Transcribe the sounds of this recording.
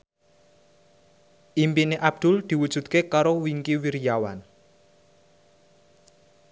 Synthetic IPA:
ʔimpineʔab̥̚d̪̥ʊ̤ld̪̥i̤wud̥ʒ̥ṳt̪̚kekaɾowiŋkiwiɾjawan

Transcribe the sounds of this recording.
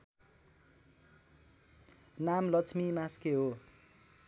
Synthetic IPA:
namlʌt͡sʰmimaskeɦo

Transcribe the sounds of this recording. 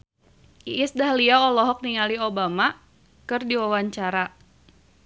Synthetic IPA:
ʔiʔɪsdaɦliaɔlɔɦɔk̚niŋaliobama | kɨrdiwawaɲt͡ʃaɾa

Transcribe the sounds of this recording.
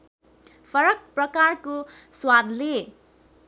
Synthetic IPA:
fʌɾʌk̚prʌkarkoswad̪le

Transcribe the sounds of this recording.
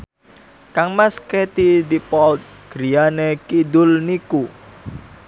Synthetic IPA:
kaŋmaskɛt̪id̪ipɔt̪̚ɡ̥ɾianekid̪ʊlniku

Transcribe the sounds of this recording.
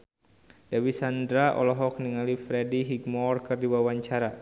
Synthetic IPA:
d̥awisandɾaʔɔ̰lɔɦɔk̚niŋalifɾɛdiɦikmɔrkɨrdiwawaɲt͡ʃaɾa

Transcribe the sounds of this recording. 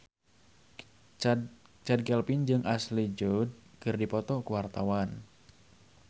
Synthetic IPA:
t͡ʃad̚kɛlpind͡ʒɨŋʔaslid͡ʒɔd̚kɨrdipɔt̪ɔkuwart̪awan

